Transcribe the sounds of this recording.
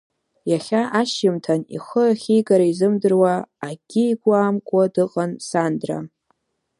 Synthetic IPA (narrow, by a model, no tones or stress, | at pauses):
jaχʲaʔaʃjɪmtʰanḭχəaχʲijɡaɾaizɨmdɨrwaːɡ̥ʲɪiɡʷaːmkʷʼadɨqʼansandra̰